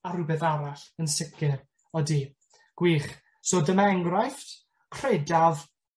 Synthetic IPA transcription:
aɾʊbɛθaɾaɬənsɪkʰɪr | ɔdi | ɡ̥wiːχ | soːdəmaɛŋɡrajft | kʰredav

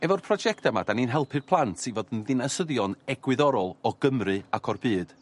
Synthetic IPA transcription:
ɛvɔrpʰrɔd͡ʒɛktʰamad̥aninɦɛlˠpʰɨrpʰlˠantʰivoːdənðɪnasəðjɔnɛɡwɪðɔɾɔlˠɔɡ̥əmrɨakʰɔrbɨːd̥

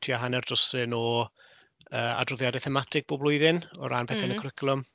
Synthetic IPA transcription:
tʰiaɦanɛrdɔsɨnɔ | əːa̰drʊðjadɛθɛmatʰɪɡ̥̚b̥oːblˠʊɨðɪnɔ̰ɾanpʰɛθɪnəkʰrɪkʰlˠʊm

